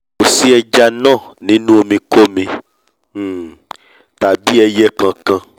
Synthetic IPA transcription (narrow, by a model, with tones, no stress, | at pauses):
o˨si˦ɛ˧d͡ʒa˧nãː˦˨nĩ˨˦nũ˦o˧mĩ˧ko˦mĩ˧˨ | ta˨bi˨˦ɛ˧jɛ˦kã˧kã˧